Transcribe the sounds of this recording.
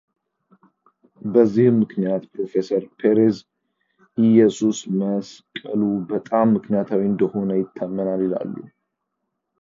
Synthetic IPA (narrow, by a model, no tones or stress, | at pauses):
bəzːihmːɨknijat̪pɾo̞fe̞səɾpʰe̞ɾez | ɪjɛsusməskʼəlubət̪ʼamːɨknijat̪ʰawiɨnd̪əho̞nəjɪt̪ʰːamːənalila̰lːṵ